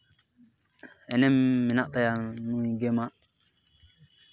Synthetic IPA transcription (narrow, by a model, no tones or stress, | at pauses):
ɛnɛmːinaʔtajanuɡema